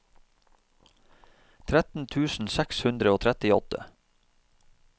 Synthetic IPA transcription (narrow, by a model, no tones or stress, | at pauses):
t̪ʰɾæt̪n̩t̪ʰʉːsn̩sækshʉnd̪ɾəoːt̪ʰɾɛt̪ɪɔ̰t̪ə̰